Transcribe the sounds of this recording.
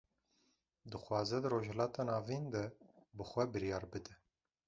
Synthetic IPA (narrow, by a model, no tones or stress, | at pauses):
d̪ɨxʷɑːzɛd̪ɨɾoːʒhɛlɑːt̪ɑːnɑːvind̪ɛbɨxʷɛbɨɾjɑːɾbɨd̪ɛ